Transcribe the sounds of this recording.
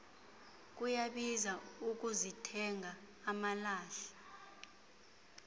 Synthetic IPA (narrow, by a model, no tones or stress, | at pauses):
k̬ʼujaɓizauk̬ʼuzitʰɛŋʱaː | malaːɬi̥